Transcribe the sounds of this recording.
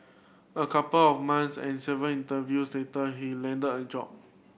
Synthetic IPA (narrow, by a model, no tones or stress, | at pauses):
əkʰapəlɔfmãnsɛ̰̃nsɛvə̃nĩntəvjusdetəɦilɛ̃ndədəd͡ʒɔ̰p̚